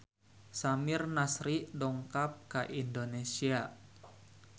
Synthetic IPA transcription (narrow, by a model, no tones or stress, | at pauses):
samirnasɾidɔŋkap̚kaʔindonesia